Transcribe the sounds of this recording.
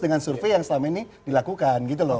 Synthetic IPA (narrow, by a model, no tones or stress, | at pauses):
dəŋansurfejaŋsəlamainidilakukanɡit̪̬ulɔ